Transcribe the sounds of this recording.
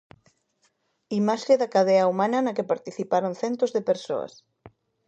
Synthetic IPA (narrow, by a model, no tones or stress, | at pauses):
imaʃeðakaðɛɐumanɐnɐkepaɾt̪iθipaɾonθɛnt̪ozðepeɾso̰ɐ̰s